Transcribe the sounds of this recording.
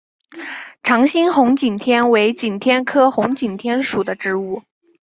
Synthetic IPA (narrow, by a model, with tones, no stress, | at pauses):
ʈ͡ʂʰɑ˧˥ŋɕi˥nxʊ˧˥ŋt͡ɕi˨˩nt̪ʰjɛ˥nwe˧˥ɪt͡ɕi˨˩nt̪ʰjɛ˥nkʰɤ˥xʊ˧˥ŋt͡ɕi˨˩nt̪ʰjɛ˥nʂu˨˩d̪ə˦ʈ͡ʂɻ̩˧˥u˥˩